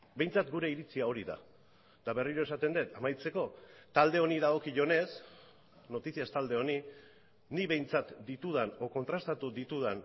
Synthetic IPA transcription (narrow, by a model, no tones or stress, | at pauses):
be̞jnt͡sat̪ɡuɾe̞iɾit͡siao̞ɾiða̰ | d̪̥aβe̞riɾo̞e̞sat̪e̞nd̪et̪amajt͡se̞ko̞t̪ald̪e̞o̞niðaɣ̞o̞kiʝo̞ne̞s | no̞t̪isiast̪ald̪e̞o̞ni | niβe̞jnt͡sat̪d̪it̪uð̞ano̞ko̞nt̪ɾast̪at̪uðit̪uð̞an